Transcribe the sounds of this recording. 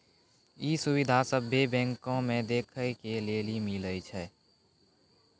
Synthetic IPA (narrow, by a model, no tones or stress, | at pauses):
isuwɪd̪ʱasəbʱebɛ̃ːŋkõmẽd̪eːkʰəjkeleːlimilət͡ʃʰɛ